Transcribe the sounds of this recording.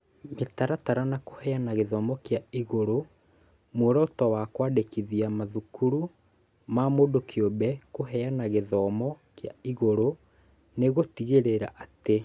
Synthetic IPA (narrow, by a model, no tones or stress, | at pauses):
metaɾataɾanakohɛanaɣeðɔːmɔkjaiɣoɾo | mwoɾɔtɔwakwadekiðiamaðukuɾu | mamodokʰjobɛkoɦɛanaɣeðɔmɔ | kjaiɣoɾo | neɣotiɣeɾeɾaʔate